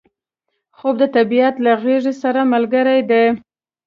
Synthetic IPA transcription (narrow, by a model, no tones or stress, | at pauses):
xob̚d̪ət̪abiat̪laɣeʐisaɾamalɡəɾajd̪e